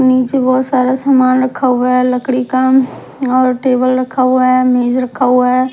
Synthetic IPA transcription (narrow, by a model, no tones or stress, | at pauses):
niːt͡ʃebɔːt̪saːɾasaːmaːnɾəkʰːaɦuaɦɛləkɽikam | ɔːɾʈeːbəlɾəkʰaɦʊaɦɛmeːzɾɐkʰaɦʊaɦɛː